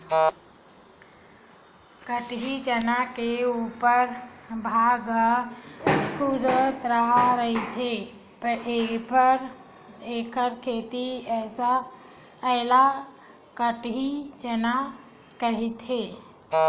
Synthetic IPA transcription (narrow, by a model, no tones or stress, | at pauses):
kəʈɦid͡ʒənakeuːpəɾbʱaːɡ | kʰud̪t̪ɾaɦaɾəɦit̪ʰe | peːpəɾ | eːkʰəɾkʰeːt̪iɛːsa | ɛɦla | kəʈɦid͡ʒəna | kəɦit̪eː